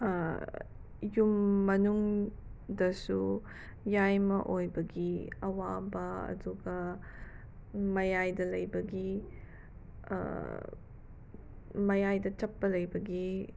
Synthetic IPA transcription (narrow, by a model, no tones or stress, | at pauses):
jumːɐnuŋdɐsu | jajmɐʔojbɐɡiɐwabɐɐ̰duɡɐ | mɐjajdɐlɐjbɐɡi | mɐjajdɐt͡ʃɐpːɐlɐjbɐɡi